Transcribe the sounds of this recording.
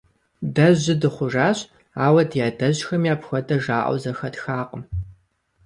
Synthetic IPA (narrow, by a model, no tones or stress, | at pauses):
dɐʑɪdɨχʷʊʒaːɕ | aːwɐdjaːdɐʑxɐmjaːpxʷɐdɐʒaːʔɐ̰wzɐxɐtxaːqʼəm